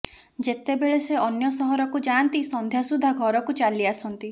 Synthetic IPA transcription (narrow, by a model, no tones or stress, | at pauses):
d͡ʒet̪ebeɭeseɔnjɔsɔɦɔɾɔkud͡ʒant̪isɔnd̪ʱjasud̪ʱːaɡʱɔɾɔkut͡ʃaliasɔnt̪i